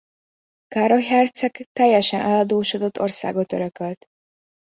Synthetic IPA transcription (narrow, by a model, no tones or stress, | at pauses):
kaɾɒɦɛrt̪sɛkt̪ɛjːɛʃɛnʔɛlɒd̪oːʃod̪o̞t̪ːo̞̰rsa̰ːɡot̪øɾøkølt̪